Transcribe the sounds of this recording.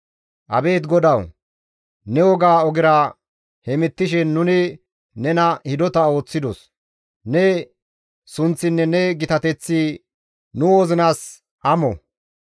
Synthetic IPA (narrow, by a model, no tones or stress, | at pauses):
ʔɐ̰be̞ːt̪ɡɔd̪ɐw | nɛwɔɡaːɔɡɪɾa | hɛmɪt̪ːɪʃɛnːʊnɪ | nɛnɐhɪd̪ɔt̪ɐo̞ːt͡sːɪd̪ɔs | nɛ | sʊnt͡sːɪnːɛnɛɡɪt̪ɐt̪ɛt͡sːiː | nʊwoːzɪnaːs | ʔɐmɔ̰